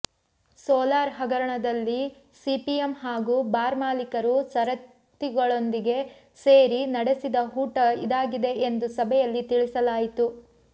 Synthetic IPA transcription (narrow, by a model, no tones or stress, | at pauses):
sɔːlaːɾɦɐɡɐɾɐɳɐd̪ɐlːi | sipijemɦaːɡuːbaːɾmaːlikɐɾusɐɾɐt̪ːiɡɐɭo̞nd̪iɡe̞ | seːɾinɐɽesid̪ɐɦuːʈɐid̪aːɡid̪e̞end̪usɐbʱɛjɐlːit̪iɭisɐlaːjit̪u